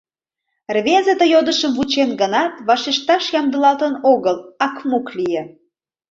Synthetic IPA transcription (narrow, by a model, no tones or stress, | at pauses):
rβezet̪əjod̪əʃəmvut͡ɕenɡənɑt̪βɑʃeʃt̪ɑʃjɑmd̪əlɑlt̪ənoɣəlɑkmuklije